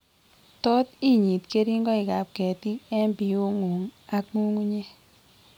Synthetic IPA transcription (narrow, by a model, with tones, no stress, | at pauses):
tɔ˦ti˦ɲi˨tke˦ɾi˦ŋɡɔ˦i˨ka˨p̚kɛ˨ti˦kɛ˦mbi˨u˦ŋu˨ŋa˦k̚ŋu˦ŋu˦ɲe˦